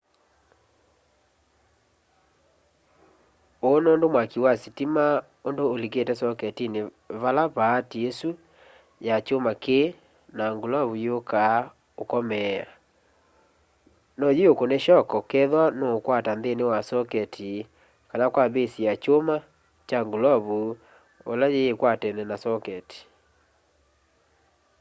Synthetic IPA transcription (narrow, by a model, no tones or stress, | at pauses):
oːnondomwakiwasitima | ondoːliketɛsɔkɛtine | βalaβaːtiesu | jat͡ʃomakeː | naŋɡolaβujoka | okɔmɛa̰ | nɔjiokoneʃɔkɔkɛðwanoːkwatanðenewasɔkɛtʰi | kanakwaβesiat͡ʃoma | t͡ʃaŋɡulaβu | o̰lajeːkwatɛnɛnasɔkɛti̥